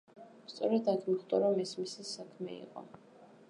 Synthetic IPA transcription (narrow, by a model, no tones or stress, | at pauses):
st̪sʼɔɾɛd̪aɡmiχd̪ʼɔɾɔmɛsmisisakʰmɛ̰ḭqʼɔ̰